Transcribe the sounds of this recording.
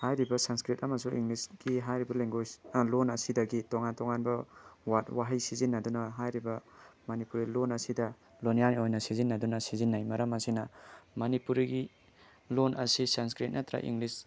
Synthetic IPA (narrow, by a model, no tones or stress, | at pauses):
hajɾibɐsanskɾit̚ɐmɐsuḭŋlisɡ̥iɦajɾibɐleŋɡojslonɐsidɐɡitɔŋantɔŋanbɐwatwaɦajsizinːadunɐɦajɾibɐmɐnipuɾilonɐsidɐ | lonijaniojnɐsizinːadunɐsizinːajmɐɾɐmɐsinɐmɐnipuɾiɡi | lonʔɐ̰sisanskɾit̚nat̪ɾa̰ʔḭŋlis